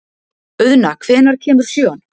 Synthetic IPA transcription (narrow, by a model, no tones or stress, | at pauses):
ʏðnakʰv̥ɪːnaɾ̥cʰɛːmʏð̥sjœːɔn